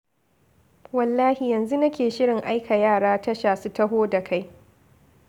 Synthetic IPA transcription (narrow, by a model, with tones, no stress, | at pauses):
wɐ˨lːaː˦hi˨jɐ˨nzu˦nɐ˦kʲeː˨ʃɪ˦ɽɪ˨ŋʔa˦jkʰa˨jaː˦˨ɽaː˦tɐ˦ʃaː˨su˦tɐ˦ɦoː˦da˨kʰa˦j